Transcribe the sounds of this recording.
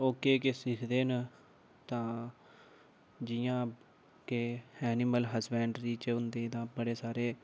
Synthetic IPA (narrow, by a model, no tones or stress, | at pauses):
oːkeːkesɪkʰd̪eːn | t̪ãː | d͡ʒɪjãː | keɛːnɪməlɦəsbɛ̃ːɳɖɾiːt͡ʃʊnd̪eːd̪ãːbəɽeːsaːɾeː